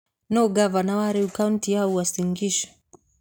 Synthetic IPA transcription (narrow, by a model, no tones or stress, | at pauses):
nɔɡavanawaɾɛukauntijauwasiŋɡiʃɔ̥